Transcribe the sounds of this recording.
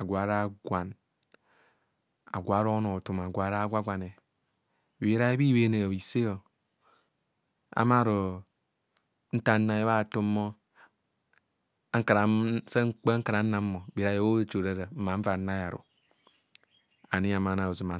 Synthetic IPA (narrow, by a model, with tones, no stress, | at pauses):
a˨ɡʷa˨˦ɾa˦ɡʷa˨n | a̰˨ɡʷa˨˦ɾo˦no˨tu˨m˨a˨ɡʷa˨˦ɾa˦ɡʷa˦ɡʷa˨ne˨ | be˨˦ɾa˦e˦bi˦we˦ne˨i˨se˦jo˨ | a̰˨˦ma˦˨ɾo˨˦ | n̩˦ta˦nːa˦je˦βa˦˨tu˦mːo˦ | a˦ŋ̩˦ka˨ɾa˨se˦k͡pe˦ŋ̩˦ka˨ɾa˨n̩˦na˦mːo˨bi˨ɾa˦je˦wo˦e˦t͡ʃo˨ɾe˦ɾa˨m̩˦ma˨˦ɱ̩˦va˨˦na˦ja˨ɾṵ˨ | a˨ni˦a˨ma˨na˨o˨zi˨ma˨